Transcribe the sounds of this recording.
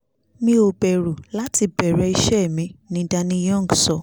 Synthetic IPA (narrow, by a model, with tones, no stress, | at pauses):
mĩ˧˦o˨bɛ˨ɾu˨la˨˦ti˧bɛ˨ɾɛ˧˦i˧ʃɛ˦˨mĩ˨˧˦nĩ˨˦da˧nĩ˧jɔ̃˦˨ŋ˨ɡsɔ˨